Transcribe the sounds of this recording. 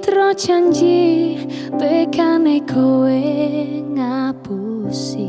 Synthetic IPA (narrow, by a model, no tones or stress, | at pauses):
t̪ɾɔt͡ʃaɲd͡ʒi | t̪ekanekʰowe | ŋapusi